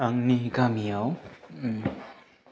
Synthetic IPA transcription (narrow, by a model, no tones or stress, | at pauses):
aŋniɡamiaw